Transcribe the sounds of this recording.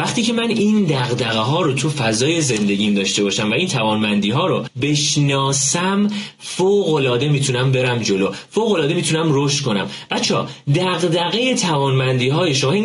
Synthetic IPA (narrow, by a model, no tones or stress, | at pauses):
væχt̪ʰiːcʰe̞mæniːnd̪æɣd̪æɣeɦɒːɾot̪ʰufæzɒːje̞ze̞nd̪e̞ɟiːnd̪ɒːʃt̪e̞bɒːʃæmvæiːnt̪ʰævɒːnbænd̪iːɦɒːɾobe̞ʃnɒːsæmfoɣo̞lɒːd̪e̞miːt̪ʰunæmbe̞ɾæmd͡ʒo̞lofoɣolɒːd̪e̞miːt̪ʰunæmroʃt̪kʰonæ̰mb̥æt̪t͡ʃʰeɒ̰ːd̪æɣd̪æɣe̞jet̪ʰævɒːnbænd̪iːɦɒːjeʃomːin